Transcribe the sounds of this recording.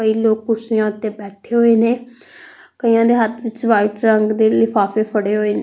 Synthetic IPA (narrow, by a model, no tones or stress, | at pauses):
kəiːloːkkʊsɪjãːʊt̪ːeːbɛːʈʰeːɦoːeːneː | kəijãːd̪eːɦət̪ʰʋɪt͡ʃʋaːɪʈɾəŋɡd̪eːlɪpʰaːpeːpʰəɽeːɦoːeːne